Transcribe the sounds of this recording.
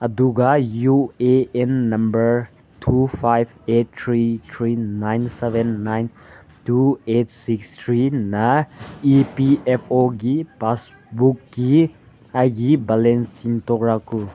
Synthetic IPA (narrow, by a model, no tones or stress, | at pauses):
əduɡajueenːɐmbəɾ | tʰupʰajbet̚t̪ʰɾit̪ʰɾinajnsebʱenːajn | tuet̚sikstʰɾinɐipiepʰoɡipas | bukːi | ajɡibalensiŋtɔkɾaku